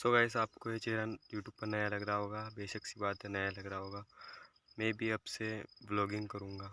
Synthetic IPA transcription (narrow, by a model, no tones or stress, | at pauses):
soɡaːɪsaːpkojet͡ʃeːɾajuːʈjuːb̚pːɐɾnɐjalɐɡɾaaɦoːɡaːbeːʃəksibaːt̪ənajalɐɡɾaɦoːɡaː | mɛ̃ːbʱiɐbsebloːɡɪ̃ŋɡkɐɾũːŋɡaː